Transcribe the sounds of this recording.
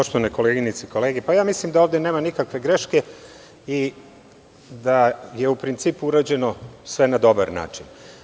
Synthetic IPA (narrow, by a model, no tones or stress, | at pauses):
poʃt̪oaneko̞leɡinit̪seiko̞leːɡepajaːmislimd̪aoʋd̪ene̞ːmanikakʋe̞ɡɾe̞ʃke̞ | i | d̪aje̞upɾint̪siːpuuɾaːd͡ʑe̞no̞sʋe̞nad̪o̞baɾna̰ːt͡ʃin